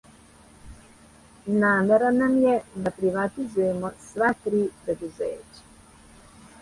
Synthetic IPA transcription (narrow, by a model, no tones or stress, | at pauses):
naːmeɾanamjɛd̪apɾiʋat̪izujemosʋat̪ɾiːpɾed̪uzeːt͡ʃḁ